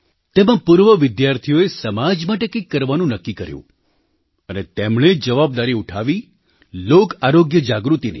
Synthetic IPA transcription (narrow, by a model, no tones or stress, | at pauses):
t̪emãpuɾʋəʋɪd̪jaɾt̪ʰijoesəmad͡ʒmaʈekẽkːəɾʋanũnəkːikəɾjṵ̃ | ənet̪emɳed͡ʒəʋab̚d̪aɾiuʈʰaʋi | lokaɾoɡjəd͡ʒaɡɾut̪inḭ